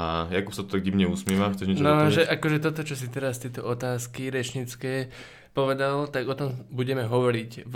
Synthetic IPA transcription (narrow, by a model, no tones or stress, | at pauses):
ajakupsat̪ɔt̪aɡɟimɲɛusmɪɛːʋaxtt͡sɛʒɲɛt͡ʃnɔʒɛʔakɔʒɛt̪ɔt̪ɔt͡ʃɔs̬it̪ɛɾast̪ɛt̪ɔʔɔt̪aːskiɾɛt͡ʃɲit͡skɛː | pɔʋɛd̪alt̪aɡɔt̪ɔmbuɟɛmɛɦɔʋɔɾic